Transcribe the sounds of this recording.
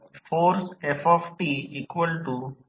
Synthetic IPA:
foːɾsefɔfʈiiːkʋəlʈu

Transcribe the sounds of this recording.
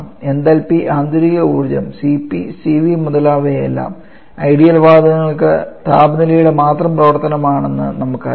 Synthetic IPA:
me̞nd̪ɐlpiʔaːnd̪uɾiɣɐuːrd͡ʑɐmsipːisiʋimuðɐlaːʋeḛlːa̰ːm | ɐjɽijɐlʋaːd̪ɐŋːɐɭkɨ̰t̪aːbɐnilɐjuɽe̞maːt̪rɐmprɐʋɐrt̪ɐnɐmaːɳenːɨ̰nɐmukːɐ̰

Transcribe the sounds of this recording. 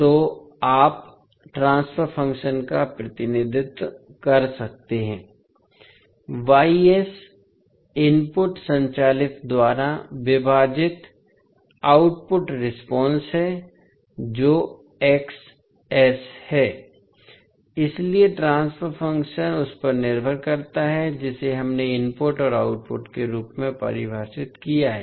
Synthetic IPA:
t̪oː | aːp | ʈɾãːnsfʰəɾfʰɐ̃ŋkʃənkapɾɐt̪ɪnɪd̪ʱɪt̪kɐɾsɐk̚t̪eɦɛ̃ː | ʋaːies | ɪnpʊʈsɐ̃ɲt͡ʃaːlɪt̪d̪waːɾaʋɪbʱaːd͡ʒɪt̪ | aːʊʈ̚pʊʈɾɪspɔ̃ːnsɦɛ | d͡ʒoː | ɛks | ɛshɛː | ɪslieʈɾãːnspʰəɾfʰɐ̃ŋkʃənʊspɐɾnɪɾbʱəɾkɐɾt̪aɦɛd͡ʒɪseɦɐmneɪmpʊʈɔːɾaːʊʈ̚pʊ̰ʈkeɾuːpmẽpɐ̰ɾɪbʱaːʃɪt̪kijaɦɛː

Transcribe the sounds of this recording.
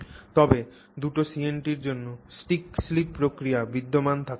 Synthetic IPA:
t̪ɔbe | d̪uʈosienʈiɾd͡ʑonːosʈikslipːɾokɾiabid̪ːomant̪ʰak

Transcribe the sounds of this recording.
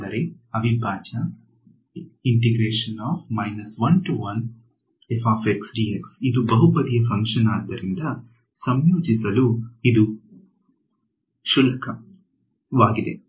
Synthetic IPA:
d̪ɐɾe | ɐʋibʱaːt͡ʃɐ | iɳʈiɡɾeːʂɐnaːbmɐjnɐsʋɐnʈuʋɐn | efaːfeksɖiːeksid̪ubɐɦupɐd̪ijɐfɐŋkʂɐnaːd̪ːɐɾind̪ɐ | sɐmjuːd͡ʒisɐluid̪u | ʃulɐkɐ | ʋaːɡid̪e̞̰

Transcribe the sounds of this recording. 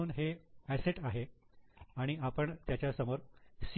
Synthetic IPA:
uːnɦeæseʈaɦe | aɽ̃iapəɳt̪jat͡ɕjasəmoɾs

